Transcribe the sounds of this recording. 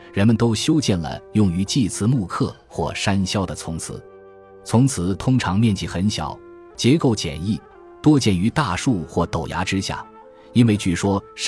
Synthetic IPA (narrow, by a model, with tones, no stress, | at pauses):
ɻə˧˥nmə˨nt̪o˥ʊɕjo˥ʊt͡ɕjɛ˥˩nlə̰˩jʊ˥˩ŋy˧˥t͡ɕi˥˩t͡sʰɹ̩˧˥mu˥˧kʰɤ˥˩ | xwɔ̰˥˩ʂa˥nɕjɑ˥˩ʊd̪ə˨t͡sʰʊ˧˥ŋt͡sʰɹ̩˧˥˦ | t͡sʰʊ˧˥ŋt͡sʰɹ̩˨˧˩t̪ʰʊ˥ŋʈ͡ʂʰɑ˧˥ŋmjɛ˥˧nt͡ɕi˥˩xə˧˥nɕjɑ̰˨˩˦ʊ | t͡ɕjɛ˧˥ko˥˩ʊt͡ɕjɛ̰˨˩ni˥˩ | t̪wɔ˥t͡ɕjɛ˥˩ny˧˥t̪a˥˧ʂu˥˩xwɔ˥˩t̪o˨˩ʊja̰˧˥ʈ͡ʂɻ̩˥ɕja̰˥˩ | i˥nwe˥˧ɪt͡ɕy˥˩ʂwɔ˥